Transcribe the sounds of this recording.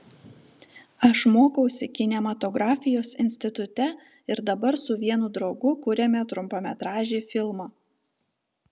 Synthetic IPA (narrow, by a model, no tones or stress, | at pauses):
ɐʃmoːkɐʊsʲɪkʲɪnʲɛmɐt̪ɔɡɾɑːfʲɪjoːsɪ̰nʲsʲt̪ʲɪt̪ʊt̪ʲɛ | ɪɾd̪ɐbɐɾsʊʋʲiɛnud̪ɾɒʊɡʊkʊɾʲemʲɛt̪ɾʊmpoːmʲɛt̪ɾɑːʒʲeːfʲɪlˠmɑː